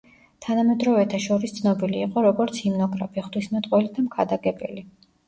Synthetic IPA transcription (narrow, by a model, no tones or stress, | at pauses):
t̪ʰanamɛd̪ɾɔvɛt̪ʰaʃɔɾist̪sʰnɔbiliːqʼɔɾɔɡɔɾt̪sʰimnɔɡʼɾapʰiχd̪wismɛt̪ʼqʼwɛlid̪amkʰad̪aɡɛbɛ̰li